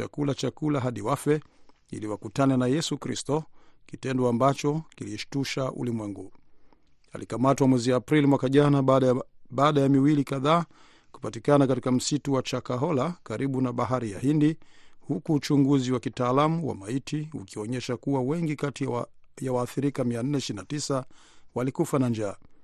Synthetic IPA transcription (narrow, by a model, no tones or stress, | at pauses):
a̰kulat͡ʃakulaɦaɗiwafɛ | ḭliwakutanɛnajɛsukɾistɔkitɛndɔambat͡ʃɔkiliʃtuʃaʔṵlimwɛŋɡu | a̰likamatwamwɛziapɾilimwakaʄana | ɓaːɗajamiwilikaðaː | ku̥patikanakatikam̩situwat͡ʃakaɦɔlakaɾʔiɓunaɓaɦaɾija̰hindihukuːt͡ʃuŋɡuziwakitaːlamuwa̰maitiṵkiɔɲɛʃakuwawɛŋɡikatijawaːθiɾikamian̩nɛiʃiɾinatisawalikufanand͡ʒaː